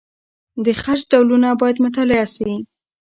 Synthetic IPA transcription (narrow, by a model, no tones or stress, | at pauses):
d̪əxaʃɖawlunabɑjad̪mʊt̪̬alɪasi